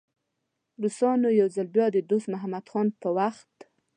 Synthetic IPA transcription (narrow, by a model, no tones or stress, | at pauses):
ɾusɑnojawzəlbjɑd̪əd̪ost̪maɦamad̪xɑnpəwaxt̪